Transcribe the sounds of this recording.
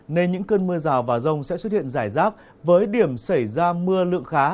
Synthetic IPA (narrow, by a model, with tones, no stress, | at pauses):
ne˧nɲɨ̰˧˥ŋkəː˧nmɨ˧əzaː˨˩wvaː˨˩zə˧wŋ͡msɛ̰˧˥swə˥t̚hḭ˧˨ənzaː˧˩jzaː˦˥t̚ | vəː˨˦jɗi˧˩əmsə˧˩jzaː˧mɨ˧əlɨ̰˧˨əŋxaː˨˦